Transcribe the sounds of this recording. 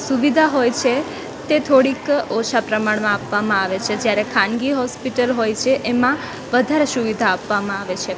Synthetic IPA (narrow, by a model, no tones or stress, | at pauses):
suʋid̪ʱaɦojt͡ʃʰe | t̪et̪ʰoɽikɔʃʰapɾəmaɳmãːpʋamãaʋet͡ʃʰed͡ʒjaɾekʰãnɡiɦɔspiʈəlɦojt͡ʃʰeʔemã | ʋəd̪ʱaɾesuʋid̪ʱaːpʋamãaʋet͡ʃʰe